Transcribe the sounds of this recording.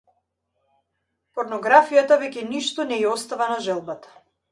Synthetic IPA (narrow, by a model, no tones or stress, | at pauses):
pɔɾnɔɡɾafijat̪avɛkʲɛniʃt̪ɔnɛɛɔst̪avanaʒɛlˠbat̪ḁ